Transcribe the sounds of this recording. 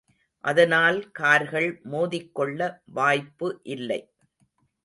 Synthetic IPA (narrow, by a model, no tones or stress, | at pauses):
ʔɐðɐnaːlkaːɾɣɐɭmoːðɪkːɔɭːɐʋaːjpːɯʔɪlːɐ̰ɪ